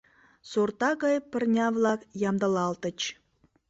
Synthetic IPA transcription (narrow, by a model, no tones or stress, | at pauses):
sort̪ɑɣɑjpə̆rnʲɑvlˠɑkjɑmd̪ɑlɑlt̪ə̆t͡ɕ